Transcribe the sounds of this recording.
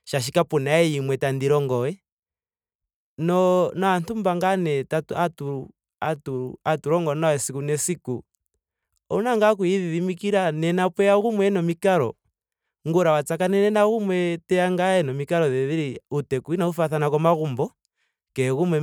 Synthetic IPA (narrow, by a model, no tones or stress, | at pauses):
ʃaʃ̬ikapunaɛimwɛtandiɾɔŋɡɔwɛ | nɔnɔantumbaŋɡanɛtatuatuɾu | atuuatuɾɔŋɡɔnaɛsikunɛsiku | ɔnaŋɡak̬uiðiðimikiɾanɛnapwɛaɣumwɛnɔmikaɾɔ̰ | ŋɡuɾawat͡sakanɛnɛnaɣumwɛtɛaŋɡaɛnɔmikaɾɔðɛðiɾiutɛkuinaufaθanakɔmaɣumbɔ | kɛɣumwɛ